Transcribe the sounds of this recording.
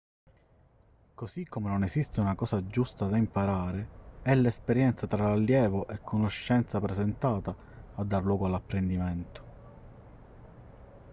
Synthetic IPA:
kosikʰːomenonesist̪eunakɔːsad͡ʒust̪ad̪aimpaɾaːɾeɛlːespeɾjɛnt̪sat̪ɾaalːjɛːvoʔɛkʰːonoʃːɛnt̪sapɾesɛnt̪aːt̪aː | d̪ːarlwɔːɡoalapːɾend̪iment̪o̥

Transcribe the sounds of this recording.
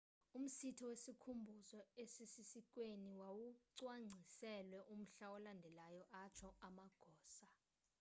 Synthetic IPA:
um̩sitʰɔwesikʰumbʱuzɔesisisik̬ʼweniwawuǀwaŋ͡ǀʱisɛlwɛʔum̩ɬaɔlandʱɛlajɔʔat͡ʃʰɔamaɡ̥ʱɔːsa

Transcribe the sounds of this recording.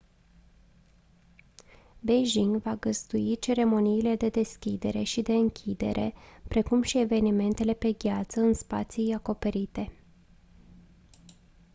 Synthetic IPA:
beʒiŋɡvaɡəzd̪uit͡ʃe̞ɾe̞mo̞niːle̞d̪e̞d̪e̞skʲid̪e̞ɾe̞̰ʃid̪e̞ɨŋkʲʰid̪e̞̰ɾʔe̞̰pɾe̞kumʃie̞ve̞nime̞nt̪e̞le̞pe̞ɡʲat̪səɨnspa̰t̪sijako̞pe̞ɾit̪e̞

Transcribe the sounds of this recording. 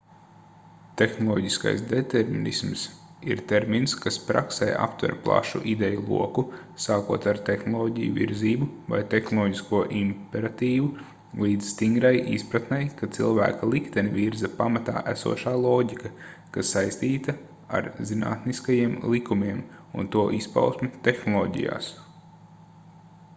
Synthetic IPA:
t̪exnɔlˠɔɟiska̰jsd̪et̪eɾminisms | iɾt̪eɾminskaspɾa̰ksḛːʔa̰pt̪vɛ̰ɾplˠa̰ʃṵʔid̪ɛjulˠṵɔkusaːkuɔt̪aɾt̪exnɔlˠɔːɟijṵvḭɾziːbuva̰jt̪exnɔlˠɔːɟiskuɔʔimpeɾat̪iːʋu | lˠiːd̪z̥st̪iŋɡɾajispɾat̪nɛjkat̪silˠvæ̰ːkalˠikt̪ɛnʲvʲiɾzɐpamat̪a̰ːʔæsṵɔʃaːlˠoːɟikɐ | kasːajst̪iːt̪ɐ | a̰ɾzina̰ːt̪niskajiɛmlˠikumʲiɛmunt̪uɔʔispa̰ʊsmut̪exnɔlˠɔːɟḭja̰ːs

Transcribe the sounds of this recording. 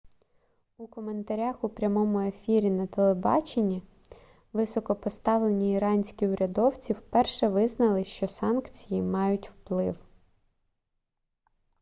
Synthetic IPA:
ukɔme̞nt̪ɐɾʲaxupɾʲɐmɔmʊe̞fʲiɾʲinɐt̪elˠebɑ̰t͡ʃenʲːi | ʋɪsɔkɔpɔst̪ɑʋlˠe̞nʲiːɾɑnʲsʲkʲiʊɾʲɐd̪ɔwt͡sʲiwpɛrʃɛʋɪznɐlˠɪʃt͡ʃɔsɑnkt͡sʲijimɑjʊtʲwplˠɪw

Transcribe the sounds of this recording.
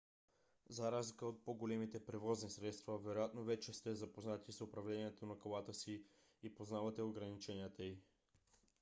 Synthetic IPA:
zɐɾazlikəot̪̚poɡolɛmit̪ɛpɾɛvɔznisɾɛt̪st̪vɐvɛɾojat̪novɛt͡ʃɛst̪ɛzɐpoznat̪isʊpɾɐvlɛniɛt̪onɐkolˠat̪əsi | ipoznavɐt̪ɛoɡɾɐnit͡ʃɛnijət̪əi

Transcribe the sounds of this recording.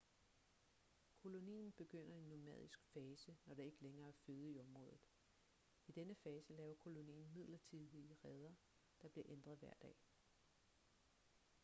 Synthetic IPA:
kʰo̝lo̝nḭːn̩b̥e̝ɡ̥øn̰ɐe̝nːo̝mɛ̰ðˠisɡ̥fɛːsənɒɾ̥ee̝ɡ̥əleŋɐːæɐføːð̞̩ˠiɒ̽mʁɔ̽ːð̞ˠð̩ˠ | id̥enəfɛːsəlɛːʊɐkʰo̝lo̝nḭːn̩mið̞̰ˠlɐt͡sʰiðˠiəʁɛð̞ˠɐ | d̥ɑ̈b̥liɐʔend̥ʁɐð̞̩ˠʋæɐ̰d̥ɛ̰ː

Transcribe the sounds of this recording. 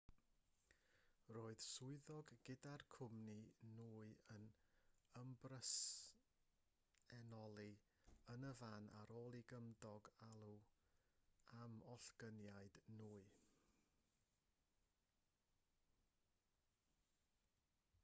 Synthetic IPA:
roːɨð̥sʊɨðɔɡɡɪdarkʰʊmninuːɨənəmbrəs | ɛnɔlˠi | ənəvanʔa̰ɾoːlˠiɡəmdɔɡalˠu | amɔɬɡ̥ənjaɨdnuːɨ

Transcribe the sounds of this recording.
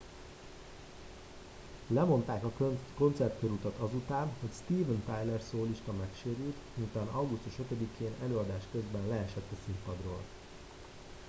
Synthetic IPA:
lɛmo̞nt̪aːkɒkøko̞nt̪sɛrt̪køɾut̪ɒt̪ɒzut̪aːnho̞cst̪iːvɛnt̪ajlɛrsoːliʃt̪ɒmɛkʃeːɾylt̪miut̪aːnɒwɡust̪uʃø̞t̪ø̞d̪ikʰeːnɛløːɒd̪aːʃkø̞zbɛnlɛɛʃɛt̪ːɛsimpɒd̪ro̰ːl

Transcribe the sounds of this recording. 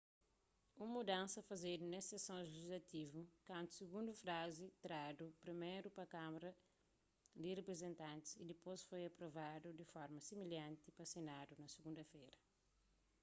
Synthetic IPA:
ũmud̪ãnsɐfɐzed̪unesesõʒeʒizlɐt̪ivukãnt̪u̥siɡũnd̪ufɾazit̪ɾad̪upɾimejɾupɐkamɐɾɐ | d̪irepɾezẽnt̪ãnt̪i̥sid̪ipojsfojɐpɾovad̪ud̪ifɔɾmɐsimiljãnt̪ipɐsenad̪unɐsiɡũnd̪ɐfejɾɐ

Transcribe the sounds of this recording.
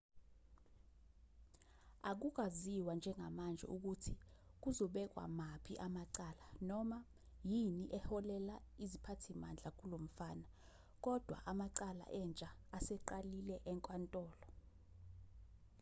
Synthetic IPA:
ak̬uk̬aziwand͡ʒʱɛŋʱamand͡ʒʱɛ̰ʔuk̬utʰik̬uzɔɓɛk̬wa̰mapʰiʔamaǀaːlanɔma | jiniʔɛhɔlɛlaizipʰatʰima̰nd͡ɮʱak̬ulom̩faːna | k̬ʼɔd̥ʱwa̰ʔamaǀala̰ʔɛnt͡ʃʼaːsɛǃalilɛʔɛŋkʼwantʼɔːlɔ

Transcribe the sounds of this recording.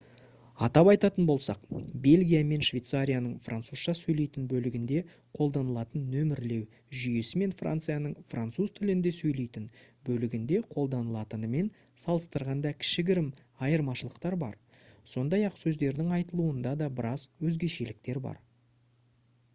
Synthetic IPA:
ɑt̪ɑpɑjt̪ɑt̪ənbo̞lˠsɑq̚be̞lʲɡʲijame̞nʃvʲejt̪saɾʲijanəɴfra̰nt̪suz̥ʃɑsɵjle̞jt̪ɪnbɵlɪɡʲɪnd̪e̞ | qʰo̞lˠd̪ɑnəlˠɑt̪ənːɵmɪɾle̞w | ʒʏje̞sɪme̞nfrʔa̰nt̪sɨjanəɴfrant̪suzt̪ʰɪlɪnd̪e̞sɵjle̞jt̪ɪn | bɵlɪɡʲɪnd̪e̞qʰo̞lˠd̪ɑnəlˠɑt̪ənəme̞n | sɑlˠəst̪əɾʁɑnd̪ɑkʲʰɪ̥ʃɪɡʲɪɾɪm | ɑjəɾmɑʃəlˠəqt̪ɑɾbɑ̰ɾ | so̞nd̪ɑjɑqsɵzd̪e̞ɾd̪ɪŋɑjt̪əlˠuənd̪ɑd̪ɑbɪɾɑzwɵzɡʲe̞ʃe̞lɪk̚t̪e̞ɾbɑ̰ɾ

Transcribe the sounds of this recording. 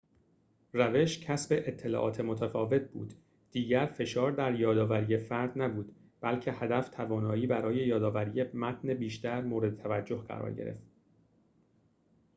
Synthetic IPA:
ræve̞ʃcʰæsbe̞ʔet̪ʰːe̞lɒ̰ːʔɒ̰ːt̪ʰemo̞t̪ʰæfɒːve̞t̪̚ʰbṵːd̪̥ | d̪̥iːɟæɾfe̞ʃɒːɾd̪æɾjɒːd̪ɒːvæɾiːje̞fæɾd̪næbuːd̪ | b̥ælcʰe̞hæd̪æft̪ʰævɒːnɒːiːbæɾɒːje̞jɒːd̪ɒːvæɾiːje̞mæt̪ʰnebiːʃt̪æɾmoːɾe̞d̪et̪ʰævæd͡ʒːo̞hɢæ̰ɾɒ̰ːɾɟḛḛft̪

